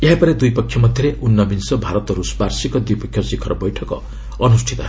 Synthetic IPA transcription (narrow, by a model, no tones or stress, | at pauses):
eɦapʌɾed̪ujpʌkʰːjʌmʌd̪ʱjʌɾeʔunːʌbinsʌbʱaɾʌt̪ɾusparsikʌd̪ujpʌkʰjʌsikʰʌɾbʌjʈʰʌko̰ | ʌnusʈʰit̪ʌ